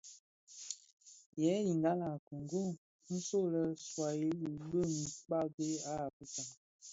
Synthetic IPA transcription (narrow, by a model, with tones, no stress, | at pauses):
jɛ˨˦ji˨ŋɡa˦la˨ku˨ŋɡo˦˨ | n̩˦so˦˨lə˦swa˨je˦li˨ɓə˦˨mi˨k͡pa˦ɡe˦a˦a˨pu˦ta˨